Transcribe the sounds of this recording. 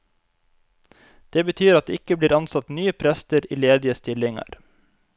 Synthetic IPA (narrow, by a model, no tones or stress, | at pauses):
d̪̥eːbət̪ʰyːɾɑt̪̚d̪eːɪkəbliːɾɑnsɑt̪nyːəpʰɾɛst̪əɾḭːleːd̪ɪəst̪ɪlɪŋɑ̰ɾ